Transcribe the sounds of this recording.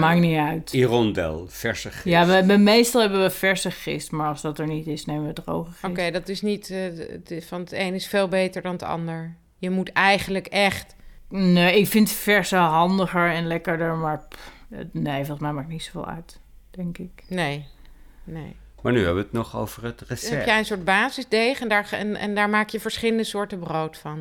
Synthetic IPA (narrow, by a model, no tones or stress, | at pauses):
maːkniœɥtirɔndɛ̰lˠfɛɹsəχɪjaʋəʋəmejstɑlˠɦɛbənʋəfɛɹsəχɪ̰stmaɹɑlˠsdɑtɛɹnitɪsnejməʋədro̰wχəoɪkejdɑtɪsnit | fɑnejnɪsfeːlˠbejtəɹdɑndəɑ̰ndəɹ | jəmutɛjχənləkɛχt | neɪkfɪntfɛɹsəɦɑndəχəɹɛnlɛkəɹdəɹmaːɹ | nejfolˠsmɛjmaːk̚nitsovḛːlˠa̰ɥt | d̥ɛŋkɪknej | nḛj | ma̰ːɹnyɛ̰bʋəətnɔχo̰wvəɹətrəsɛpjɛjənsʊːɹd̚baːzɪzdejχəndaːɹɛ̰nɛ̰ndaːɹmaːkjəvəɹsχɪləndəsʊːɹtəbrowtfɑn